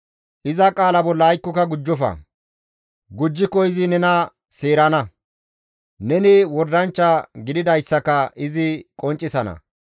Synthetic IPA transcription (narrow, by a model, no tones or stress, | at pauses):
ʔɪzɐkʼaːlɐbɔlːɐːjkːɔkɐɡʊd͡ʒːɔfɐ̰ | ɡʊd͡ʒːɪkːɔɪzɪnɛnɐ | seːɾɐnɐ | nɛnɪwɔɾd̪ɐnt͡ʃːɐɡɪd̪ɪd̪ɐjsːɐkɐʔɪzɪkʼɔnt͡ʃʼːɪsɐnɐ̰